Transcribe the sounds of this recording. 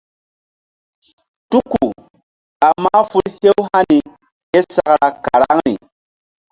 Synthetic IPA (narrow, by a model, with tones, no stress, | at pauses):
tu˦ku˨ | a˨mːa˦fu˦lhe˦wha˦ni˨ | ke˦sa˨kɾa˨ka˨ɾa˦ŋnḭ˨